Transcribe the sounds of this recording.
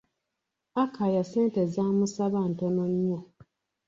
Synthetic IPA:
akʰajaseːntezamusaβan̩tonoɲːo

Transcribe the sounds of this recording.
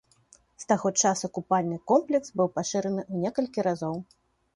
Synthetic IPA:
st̪aɣɔt͡ʂasuɐkupalʲnɨkɔmplʲɛksbɨwpaʂɨɾɐnɨʔunʲɛkɐlʲkʲiɾazɔw

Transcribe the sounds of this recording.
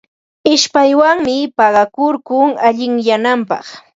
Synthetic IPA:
ɪʃpajwaŋmɪpɑɢɑkʊɾkʊŋaʎɪŋjanampɑ̰χ

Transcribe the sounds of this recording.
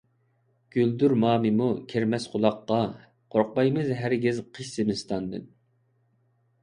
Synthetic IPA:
ɡ̥ʲyld̪yɾmɑːmɨmukʲʰeɾmɛsqʰolˠɑqːɑ | qʰoɾq̚bɑjmɨzɦæɾɡʲɪzqʰəʃsɪmɪst̪ɑnd̪ɨ̰n

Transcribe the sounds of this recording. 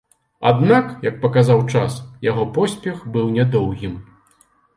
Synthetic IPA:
a̰d̪nakjɐk̚pɐkazawt͡ʂasjaɣɔpɔsʲpʲɛxbɨwnʲɛd̪ɔwɣʲim

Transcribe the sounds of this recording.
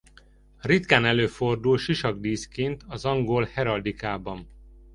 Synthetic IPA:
rit̪kaːnɛløːfo̞rd̪ulʃiʃɒɡd̪iːskeːnt̪ʰɒzɒŋɡoːlhɛɾɒd̪ikaːbɒn

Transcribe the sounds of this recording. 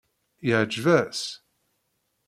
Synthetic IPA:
jəʕd͡ʒvæs

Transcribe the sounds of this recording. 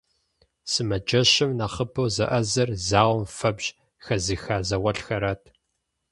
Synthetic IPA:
sɨmɐd͡ʒɐɕɪmnaχəpʰɐwzɐ̰ʔɐzɐrzaːwʷʊmfɐbʑ | xɐzɨxaːzɐwɐɬxɐɾatʰ

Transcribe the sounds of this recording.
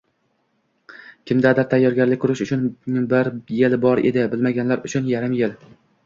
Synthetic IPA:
kʲʰɪmd̪ad̪aɾt̪ʰajːɒɾɡʲaɾlɪk̚ʲkʰːʊɾɪʃʊt͡ʃʰʊnbɪɾjelbɒɾed̪ɪbɪlmaɡʲanlaɾʊt͡ʃʰʊnjaɾɪmjel

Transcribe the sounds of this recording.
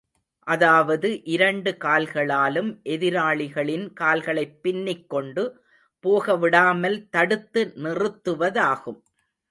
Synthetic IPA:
ʔɐðaːʋɐðɯʔɪɾɐɳɖɯkaːlɣɐɭaːlɯmʔɛðɪɾaːɭɪɣɐɭɪnkaːlɣɐɭɐɪpːɪnːɪkːɔɳɖɯ | poːɣɐʋɪɽaːmɐlt̪ɐɽɯt̪ːɯnɪrɯt̪ːɯʋɐðaːɣɯm

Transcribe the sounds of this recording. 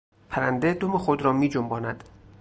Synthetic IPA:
pʰæɾænd̪ed̪omexod̪ɾɒːmiːd͡ʒombɒːnæd̪̥

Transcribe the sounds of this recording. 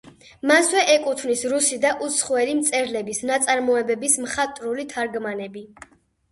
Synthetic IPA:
maswɛʔɛkʼut̪ʰvnisɾusid̪aʔut̪sʰχwɛlimt̪sʼɛɾlɛbisnat̪sʼaɾmɔɛbɛbismχat̪ʼɾulit̪ʰaɾɡmanɛbi

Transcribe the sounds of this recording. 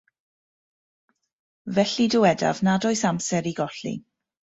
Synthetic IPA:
vɛɬidʊwɛda̰vnadɔɨsamsɛɾiɡɔɬḭ

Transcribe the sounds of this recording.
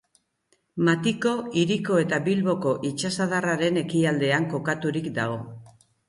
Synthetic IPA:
mat̪iko̞iɾiko̞e̞t̪aβilβo̞ko̞ʔit͡ʃasaðaraɾe̞ne̞kiald̪e̞aŋko̞kat̪uɾikd̪aɣ̞o̞

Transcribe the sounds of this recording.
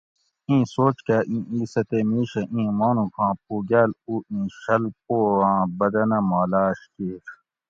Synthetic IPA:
ĩːsoːt͡ʃkaːʔĩːiːsɐt̪eːmiːɕɐʔĩːmoːnũkʰãːp̚uːɡaːluːĩːɕɐlp̚oːãːbɐd̪ɐnɐmaːlaːɕkiːɾ

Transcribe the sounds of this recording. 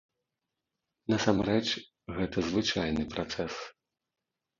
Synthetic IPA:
nɐsamɾɛt͡ʂ | ɣɛt̪ɐzvɨt͡ʂajnɨpɾat̪sɛs

